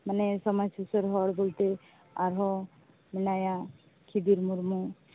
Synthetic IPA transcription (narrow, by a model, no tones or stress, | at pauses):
manɛsɔmasusɔɾɦɔɽbolt̪e | aɾɦɔ | minaja | kʰid̪iɾmuɾmu